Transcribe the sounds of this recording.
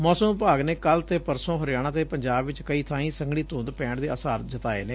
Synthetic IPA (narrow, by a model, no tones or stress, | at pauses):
mɔːsəmpaːɡneːkəlt̪eːpəɾsõːɦəɾjaːɽ̃ãːt̪eːpəɲd͡ʒaːbʋɪt͡ʃkəiːt̪ʰãːĩːsəŋɡɽ̃iːt̪ʊ̃ːnd̪pɛ̃ːɳɖd̪eːəsaːɾd͡ʒət̪aːḛːneː